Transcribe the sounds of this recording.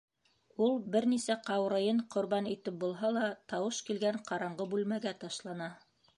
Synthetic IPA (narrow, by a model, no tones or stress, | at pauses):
ulˠbɘɾnisæqɑwɾɤ̆jɤɴqŏɾβɑnit̪ɘp̚bulˠɦɑlˠɑt̪ɑwɤʃkilɡæɴqɑɾɑɴɢɤbʉlmæɡæt̪ɑʃlˠɑnɑ